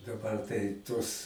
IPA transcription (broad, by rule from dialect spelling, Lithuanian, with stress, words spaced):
dɐˈbɐr tɐɪ ˈtuɔs